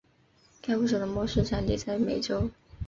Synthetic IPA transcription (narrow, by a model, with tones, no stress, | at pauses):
kʰa˥ɪxu˥˩ʂ̬ɤ˨˩d̪ə˧mwɔ˥ʂɻ̩˥˧ʈ͡ʂʰa˧˥nt̪ḭ˨˩t͡sa˥˩ɪme˨˩ɪʈ͡ʂo˥ʊ